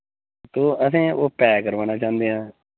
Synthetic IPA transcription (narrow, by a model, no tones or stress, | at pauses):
t̪oːəs̬ẽːoːpɛːkəɾʋaːnaːt͡ʃãːnd̪eːɦãː